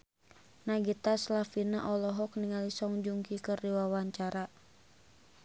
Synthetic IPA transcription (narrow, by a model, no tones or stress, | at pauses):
naɡit̪aslafinaʔɔlɔɦɔkniŋalisɔŋd͡ʒuŋkikəriwawaɲt͡ʃaɾa